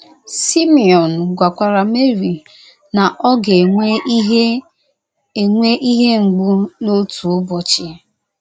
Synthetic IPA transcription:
si˦mi˨ɔ˨n̩˨ɡʷa˨kʷa˨ɾa˨me˦ɾi˨ | na˨ʔɔ˦ɡe˨ŋʷe˦ɦe˦ | e˨ŋʷe˦ʔi˦ɦe˦ŋ͡m̩˨ɡ͡bu˦no˦tu˨ʊ˦bɔ˨t͡ʃɪ˦

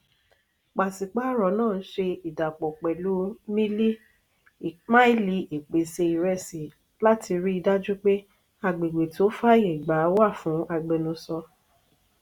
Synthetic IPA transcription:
k͡pa˨si˨k͡pa˦ɾɔ˨˦nãː˦˨n̩˦ʃe˧i˨da˨k͡pɔ˨k͡pɛ˨lu˨˦mĩ˦li˦˨ | mã˦i˦li˧˦ʔe˨k͡pe˨se˧i˨ɾɛ˧˨si˨ | la˦tʰi˧ɾi˦i˧da˦d͡ʒu˦k͡pe˦ | a˧˨ɡ͡be˨ɡ͡be˨to˦fa˦je˨ɡ͡ba˨˦wa˦˨fũ˨˦a˧ɡ͡bɛ˧nũ˧sɔ˧

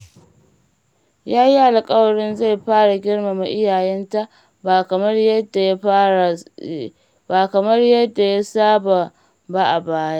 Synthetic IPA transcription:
jaː˦ji˦ʔa˨lkʼɐ˦wɐ˨ɽɪ˦nza˦˨jɸaː˦ɽa˨ɡʲɪ˦ɽma˨ma˨ʔɪ˦jaː˨jɛ˦nta˦ʔ | mɐ˦rjda˨j | baː˨kɐ˨mɐ˦rjɐ˦dːa˨ja˦saː˦ba˨ | ba˦ʔa˨baː˦ja˦ʔ

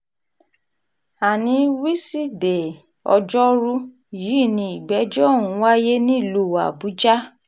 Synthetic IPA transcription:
a˨nĩ˧wi˦si˦de˨ | ɔ̰˧d͡ʒɔ˦ɾu˦ | jiː˨˦˨nĩ˧i˨ɡ͡bɛ˨˦d͡ʒɔ˦˨ũ˨˧˦wa˦je˦nĩ˦˨lu˧˦˨wa̰˨bu˨˦d͡ʒa˦

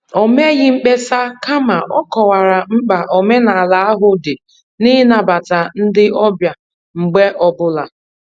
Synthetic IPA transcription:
o˨me˦ɣɪ˦ŋ͡m̩˦k͡pe˦sa˦ka˦ma˨ʔɔ˦kɔ˨wa˨ɾa˨m̩˦k͡pa˨ʔo˨me˦na˨a˨la˨a˦ɦʊ˦de˨ | ni˦na˨ba˨ta˨n̩˦dɪ˦ʔɔ˦bja˨ | ŋ͡m̩˨ɡ͡be˦ʔɔ˦bʊ˦la˨

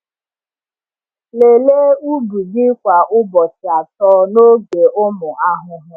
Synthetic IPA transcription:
le˨le˦u˦bu˨dɪ˦kʷa˨ʔʊ˦bɔ˨tɪ˨a˨tɔː˦no˦ɡe˨ʊ˦mʊ˨a˦ɦʊ˦ɦʊ˦

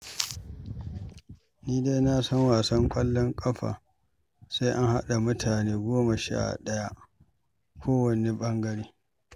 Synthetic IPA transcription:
niː˦de˦jna˦sɔ˦ŋwaː˨sɐ˦ŋkʷʼɐ˦lːɔ˦ŋkʼɐ˦ɸa̰ː˨ | sa˦jʔa˦ŋha˦ɗa˨mʊ˦tʰaː˨neː˦ɡʷoː˦ma˨ʃa̰ː˦˨ɗɐ˦ja˦ | kʷʰoː˦wɐ˨ne˦ɓɐ˦ŋɡɐ˦ɽiː˦

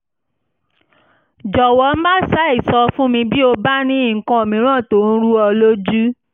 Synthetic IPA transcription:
d͡ʒɔ˨wɔ˨˦n̩˦ba˦˨sa˦i˦˨sɔ˧fũ˦mĩ˧bi˦o˧ba˦nĩ˦i˦˨kã˧o˨mĩ˨˦ɾ̃ã˦˨to˨˦˨n̩˦ɾu˦ɔ˧lo˦d͡ʒu˦

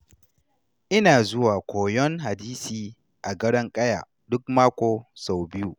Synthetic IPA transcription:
ʔɪ˦naː˨zʊ˦waː˨kʷoː˨jɔ˦ŋɦa˨diː˦siː˨ | ʔa˨ɡɐ˦ɽɐ˦ŋkʼɐ˦ja̰ː˨ | dʊ˦k̚maː˦kʷoː˨sa˨wbɪ˦ju˦˨

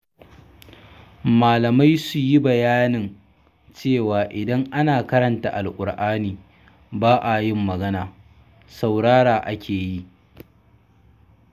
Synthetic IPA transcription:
maː˨lɐ˨ma˦jsu˨ji˦bɐ˨jaː˦nɪ˨n | t͡ʃeː˦˨waː˨ʔɪ˨dɐ˦ŋʔa˦naː˨kɐ˦ɾɐ˨nta̰˨ʔa˨lʔʷʼʊ˨ɽʔaː˦niː˨ | baː˦ʔa˨jɪ˦mːɐ˨ɡɐ˦naː˨ | sa˨wɽaː˦ɽaː˨ʔa˦kʲʰeː˨ji˦˨ʔ

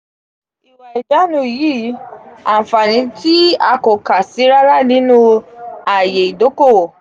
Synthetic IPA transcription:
i˨wa˨i˨d͡ʒa˨˦nũ˧˦i˨ji˦˨˦a˨fa˨nĩ˧ti˦a˧ko˨ka˨si˨˦ɾa˦ɾa˦˨nĩ˨˦nũ˦a˨je˨i˨do˨˦ko˦˨

